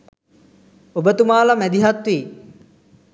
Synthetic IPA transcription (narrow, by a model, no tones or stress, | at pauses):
obət̪umaːlamæd̪iɦat̪ʋiː